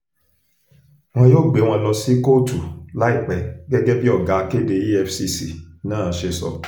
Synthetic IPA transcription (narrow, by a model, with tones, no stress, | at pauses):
w̃ɔ̃˧jo˦˨ɡ͡be˨˦w̃ɔ̃˧˨lɔ̃˧si˦ko˦tu˨la˦i˦˨k͡pɛ˨ɡɛ˦ɡɛ˦bi˦ɔ˦˨ɡa˨˦˧ke˦˨de˧i˦ɛ˧fsi˧si˨nãː˦˨ʃe˧sɔ̰˧